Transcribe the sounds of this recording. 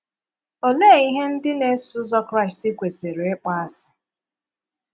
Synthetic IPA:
o˦le˦˨i˦ɦe˦n̩˦dɪ˦ne˦sʊ˦zɔ˦kɾa˦ɪ˨stɪ˦kʷe˨se˨ɾe˨e˦k͡pa˦a˦sɪ̥˨

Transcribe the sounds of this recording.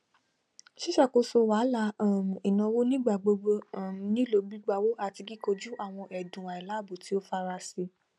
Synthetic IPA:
ʃi˦ʃa˦˨ko˧˦so˧wa˨˦la˧˦a˦˨m̩˨i˨nã˧wo˦nĩ˦ɡ͡ba˨ɡ͡bo˧ɡ͡bo˧˦˨m̩˨nĩ˨˦lo˨˧bi˦ɡ͡ba˧wo˦a˨ti˧ɡi˦ko˧d͡ʒu˦ʔa˦˨w̃ɔ̃˧ʔɛ˨dũ˨a˨i˨la˨˦˨bo˨ti˨˦o˦fa˧ɾa˧si˧

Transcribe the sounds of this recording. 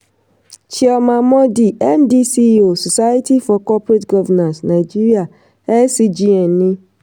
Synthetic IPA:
t͡ʃi˨ɔ˨mã˨mɔ˦di˨ɛ˦ndi˦si˦o˨so˨sa˦ja˦ti˦fɔ˨kɔ˦pɾe˦tɡɔ˦vɛ˨nã˨snã˨ɪ˨d͡ʒi˦ɾi˦a˨ | ɛ˦si˦d͡ʒi˦ɛ˨nːɪ̃˦

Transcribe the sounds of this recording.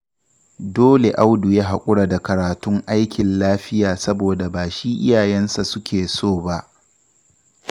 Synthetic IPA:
doː˦le˨ʔa˦wdu˨jaː˦ɦa˨kʷʼʊ˦ɽa˨da˨kɐ˨ɾaː˨tʊ˦ŋʔa˦jkʲɪ˨nlaː˦ɸɪ˦jaː˨sɐ˦boː˨da˨baː˨ʃi˦ʔɪ˦jaː˨jɛ˦nsa˨sʊ˦kʲeː˨soː˦˨ba˦ʔ

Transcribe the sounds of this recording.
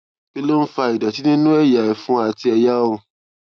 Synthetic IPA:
be˦lo˦n̩˦fa˧i˨da˨ti˨˦nĩ˦nũ˦ɛ˦˨ja˨ɛ˨fũ˨˦a˦˨ti˧ɛ˧ja˦o˧˨

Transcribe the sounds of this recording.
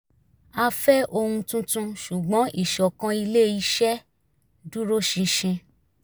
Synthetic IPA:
a˧fɛ˦ʔo˧hũ˧tũ˧tũ˧ʃu˨ɡ͡bɔ̃˨˦ʔi˦˨ʃɔ˨kã˧i˧le˦i˦ʃɛ˦ | du˦ɾo˦ʃĩ˧ʃĩ˧

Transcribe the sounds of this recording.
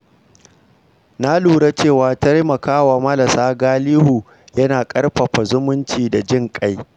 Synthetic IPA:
na˦luː˨ɽa˦t͡ʃeː˦˨waː˨tɐ˦ɾmɐ˨kaː˦waː˨mɐ˦lɐ˨saː˦ɡaː˦liː˦huː˨ | jɐ˦naː˨kʼɐ˦ɽɸɐ˨ɸa˨zʊ˦mʊ˦nt͡ʃiː˨da˨d͡ʒɪ˦ŋkʼa˦j

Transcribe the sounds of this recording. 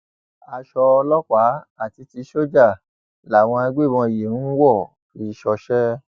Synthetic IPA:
a˧ʃɔ˧lɔ˦k͡pa˨˦a˦˨ti˧ti˧ʃo˦d͡ʒa˦˨ | la˨w̃ɔ̃˧a˧ɡ͡be˦˨ɔ̃˧i˨je˨nũ˦wɔ˦˨ | fi˧˦ʃɔ˧ʃɛ˦

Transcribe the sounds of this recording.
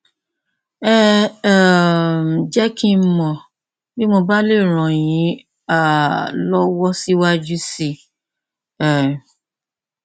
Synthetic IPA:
ɛ˦˨ | d͡ʒɛ˦ki˦m̩˦mɔ̃˨ | bi˦mo˧ba˦le˦˨ɾ̃ɔ̃˨j̃ĩ˨˦ | a˦˨lɔ˦wɔ˦si˦wa˦d͡ʒu˦si˦˨

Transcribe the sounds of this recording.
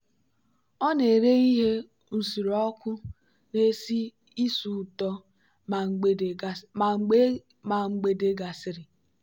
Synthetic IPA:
ɔ˦ne˨ɾe˦i˦ɦe˦ | n̩˨si˨ɾɔ˦kʷʊ˦ | ne˦si˦ | i˦su˨tɔ˦˨ | ŋ͡m | ma˨ŋ͡m̩˨ɡ͡be˨de˦ɡa˨sɪ˨ɾɪ˨

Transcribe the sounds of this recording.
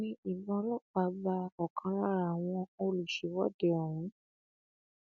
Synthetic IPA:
nĩ˦i˨bɔ̃˧˦lɔ˦˨k͡pa˧˦ba˧ɔ˨kʰã˧˦ɾa˦ɾa˨w̃ɔ̃˧o˧lu˨ʃe˨˦wɔ˦˨de˨˧˦ɔ˨w̃ũ˨˦

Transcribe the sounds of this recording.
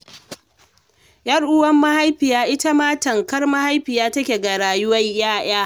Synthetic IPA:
jɐ˦rʔʊ˦wɐ˦mːɐ˦ha˦jɸɪ˨jaː˦ʔɪ˦ta˦maː˦tɐ˨ŋkɐ˦rmɐ˦ha˦jɸɪ˨jaː˦tɐ˦kʲe˨ɡa˨ɽaː˨jʊ˦wɐ˦ɲjaː˦j̰aː˦

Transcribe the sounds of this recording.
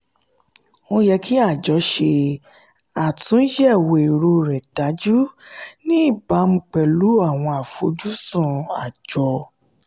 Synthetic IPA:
õ˦jɛ˧kʰi˦a˦˨d͡ʒɔ˨˧˦ʃe˧ | a˨tũ˨˦ʃɛ˦˨wo˨e˨ɾo˧˨ɾɛ˨d̥a˨˦d͡ʒu˦nĩ˦i˦˨ba˨˦m̩˧˦k͡pɛ˨lu˨˦a˦˨w̃ɔ̃˧a˨fo˨˧˦d͡ʒu˦sũ˦˨a˨d͡ʒɔ˧˦

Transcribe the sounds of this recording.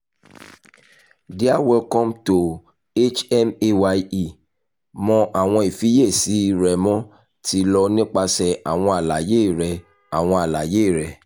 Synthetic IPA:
di˦a˦wɛ˧lkɔ̃˦mto˨ | e˦t͡ʃɛ˦me˦wa˧i˦i˨ | mɔ̃˧ʔa˨w̃ɔ̃˧i˨fi˨˦je˦˨si˨˦ɾɛ˨mɔ̃˦ | tʰi˨˦lɔ˧nĩ˦k͡pa˧sɛ˧a̰˨w̃ɔ̃˧a˨la˨je˨˦˨ɾɛ˨ | a˨w̃ɔ̃˧a˨la˨je˦˨ɾɛ˨

